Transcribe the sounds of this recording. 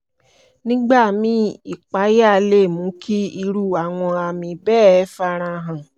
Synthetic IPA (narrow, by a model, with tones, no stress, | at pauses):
nĩ˦ɡ͡ba˦˨mĩ˨˦i˦˨k͡pa˨˦ja˦˨˧le˦˨mũ˨˦kʰi˦i˧ɾu˦˨a˨w̃ɔ̃˧a˧˨mĩ˧bɛː˦˨ɛ˧˦fa˧ɾ̃ã˧ɦã˨